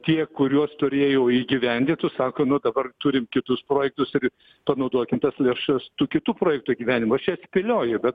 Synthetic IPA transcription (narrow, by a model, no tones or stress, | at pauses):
t̪ʲiɛkʊɾʲuɔst̪ʊɾʲeːjoʊiːɡʲɪʋʲɛnʲd̪ʲɪt̪ʊssɑːkoːnʊd̪ɐbɐrt̪ʊːɾʲɪmkʲɪt̪ʊspɾoːjɛk̚t̪ʊsɪr | pɐnɐʊd̪uɔkʲɪmt̪ɐslʲeːʃɐst̪uːkʲɪt̪uːpɾoːjɛkt̪uːiɡʲiːʋʲæːnʲɪmʊɐʃt͡ʃʲɛsʲpʲɪlʲoːjʊbʲɛt̪